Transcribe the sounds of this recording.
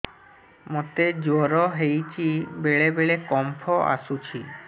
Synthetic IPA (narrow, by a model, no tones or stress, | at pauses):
mot̪ed͡ʒoɾɔɦejt͡ɕʰibeɭebeɭekɔmpʰɔʔa̰sut͡ɕʰi